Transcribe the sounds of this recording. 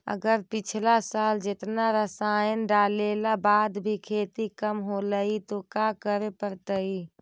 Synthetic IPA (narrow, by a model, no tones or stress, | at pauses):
ə̰ɡəɾpɪt͡ʃʰlasaːld͡ʒɪt̪naɾəsaːjənɖaːlelabaːd̪bʱikʰeːt̪ikəmɦoləit̪okakəɾepəɾt̪əi